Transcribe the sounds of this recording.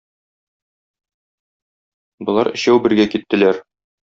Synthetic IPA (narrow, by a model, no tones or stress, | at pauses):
bŏlˠɑɾɘ̆ɕæwbɘ̆ɾɡækit̪ːɘ̆læɾ